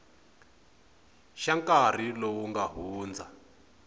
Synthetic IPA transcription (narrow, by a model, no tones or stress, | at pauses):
ʃaŋkʼar̤ilowuŋɡaɦuːnd͡zʱa